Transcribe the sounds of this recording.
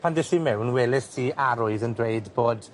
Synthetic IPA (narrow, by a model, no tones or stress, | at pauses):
pʰandɪɬimɛwnwɛlɪθtʰiaɾʊɨðəndreɨdboːd